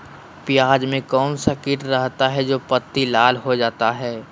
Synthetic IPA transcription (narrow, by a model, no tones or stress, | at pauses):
pɪjaːd͡ʒmẽkɔːnsakɪʈɾəɦt̪aɦɛd͡ʒoːpət̪ːilaːlɦod͡ʒaːt̪aɦɛː